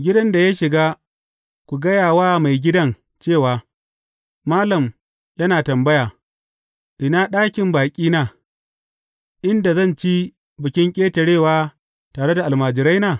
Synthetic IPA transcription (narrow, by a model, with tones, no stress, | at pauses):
ɡʲɪ˦dɐ˦nda˨ja˦ʃɪ˨ɡaː˦ | kʷu˨ɡɐ˦jaː˨waː˦ma˨jɡʲɪ˦dɐ˦ŋ | t͡ʃeː˦˨waː˨ | maː˦lɐ˨m | jɐ˦naː˨tɐ˨mbɐ˦jaː˨ | ʔɪ˨naː˦ɗaː˦kʲɪ˨mbaː˨kʲʼiː˦naː˨ | ʔɪ˦nda˨zɐ˦˨nt͡ʃi˦ | bɪ˨kʲɪ˦ŋkʲʼeː˦tɐ˨ɽeː˦˨waː˦ | taː˨ɽe˦da˨ʔa˨lmaː˨d͡ʒɪ˨ɾa˦jnaː˨